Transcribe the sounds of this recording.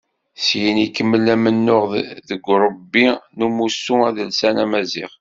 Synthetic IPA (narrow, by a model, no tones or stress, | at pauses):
sjinikːəmːəlæmənːʊʁðəɡʷːɾˤəbːinumusuæðəlsænæmæziʁ